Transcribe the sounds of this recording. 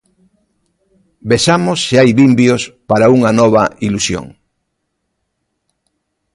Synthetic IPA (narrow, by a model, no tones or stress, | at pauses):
besamosːeajβimbjospaɾauŋɐnɔβɐilusjo̰ŋ